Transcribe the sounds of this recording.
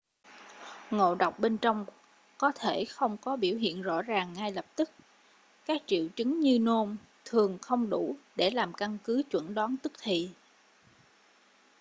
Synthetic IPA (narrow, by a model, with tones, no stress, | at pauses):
ŋo̰˧˨ɗə˨˩wk͡p̚ɓe˧nt͡ɕɔ˧wŋ͡m | kɔ˨˦t̪ʰe˧˩xə˧wŋ͡mkɔ˨˦ɓi˧˩əwɦḭ˧˨ənzɔ̰˧˥zaː˨˩ŋːa˧jlə˨˩p̚t̪ɨ˦˥k̚ | kaː˦˥k̚t͡ɕḭ˧˨əwt͡ɕɨ˨˦ŋɲɨ˧no˧m | t̪ʰɨ˨˩əŋxə˧wŋ͡mɗu˧˩ɗe˧˩laː˨˩mka˧nkɨ˨˦t͡ɕwə̰˧˥nɗɔː˨˦nt̪ɨ˦˥k̚t̪ʰi˨˩